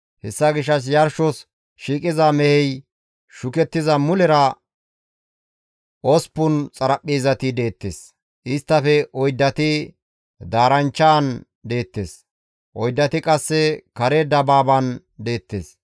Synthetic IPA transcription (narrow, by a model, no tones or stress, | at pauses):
hɛsːɐɡɪʃ̬ːɐs̬jɐɾʃɔs | ʃiːkʼɪzɐmɛhɛj | ʃʊkɛt̪ːɪzɐmʊlɛɾɐ | ʔɔspːʊnt͡sʼɐɾɐpʼːiːzɐt̪ɪd̪e̞ːt̪ːḛːs | ʔɪst̪ːɐfɛʔɔjd̪ːɐt̪ɪ | d̪aːɾɐnt͡ʃːaːn | d̪e̞ːt̪ːḛːs | ʔɔjd̪ːɐt̪ɪkʼɐsːɛkɐɾed̪ɐbaːbɐn | d̪e̞ːt̪ːḛːs